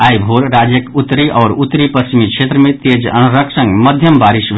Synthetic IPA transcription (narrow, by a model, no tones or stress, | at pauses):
aːjbʱoɾɾad͡ʒjəkut̪ːɾiʔɔːɾut̪ːɾipɾəst͡ʃimikʃʰet̪ɾəmẽt̪ed͡ʒə̰nɾəksə̃ŋɡməd̪ʱjəmbaːɾiʃʋ